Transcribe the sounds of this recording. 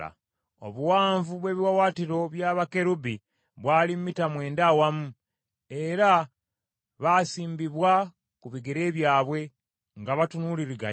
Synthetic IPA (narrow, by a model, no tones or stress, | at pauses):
a̰ | o̰βuwaːɱvuβwe̞ːβiwawaːtiɾo̞βjaːβake̞ɾubi | βwaːlimmitamwe̞ːndawamu | e̞ɾa | βasiːmbiβwa | kuβiɡeɾe̞ːβjaːβwe̞ | ŋɡaβatunuliɾiɡa̰